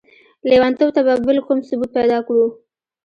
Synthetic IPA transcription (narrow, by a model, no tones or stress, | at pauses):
lewant̪owt̪ababəlkomsʊbut̪̚pajd̪ɑkɽu